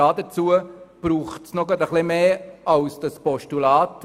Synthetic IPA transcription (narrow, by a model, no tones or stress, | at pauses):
ɑːdət͡suəb̥ɾuːχtsnɔɡɑdəχlɪmeːɑwsd̥ɑspɔʃtulɑːt